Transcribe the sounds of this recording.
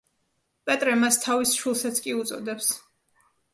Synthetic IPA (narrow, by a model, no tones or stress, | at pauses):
pʼɛt̪ʼɾɛmast̪ʰavisʃwilˠsat̪sʰkʼiut̪sʼɔd̪ɛps